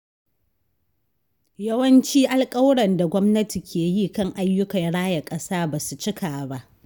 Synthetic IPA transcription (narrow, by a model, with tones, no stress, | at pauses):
jɐ˦wɐ˦nt͡ʃiː˦ʔa˦lkʼɐ˦wɽɐ˨nda˨ɡʷɔ˦mnɐ˦ti˨kʲʰeː˨ji˦˨kɐ˦˨ŋʔa˦jːʊ˦kɐ˨nɽaː˦jɐ˨kʼɐ˦saː˦baː˨su˨t͡ʃɪ˦kʰaː˨ba˦ʔ